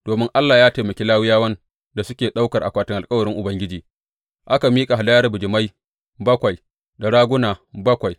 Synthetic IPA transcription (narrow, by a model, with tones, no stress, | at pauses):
d̥oː˨mɪ˦ŋʔa˦lːaː˨jaː˦ta˨mɐ˨kʲe˦laː˦wɪ˦jaː˦wɐ˦n | da˨sʊ˦kʲeː˨ɗa˦wkɐ˨rʔa˨kʷaː˨tɪ˦ŋʔa˨kʼɐ˦wɐ˨ɽɪ˦ŋʔʊ˨bɐ˦ŋɡʲɪ˦d͡ʒiː˨ | ʔa˦ka˨miː˦kʼa˨ɦa˨da˦jɐ˦rbʊ˨d͡ʒɪ˨ma˦j | bɐ˦kʷa˨j | da˨ɽaː˦ɡʷʊ˦naː˨bɐ˦kʷa˨j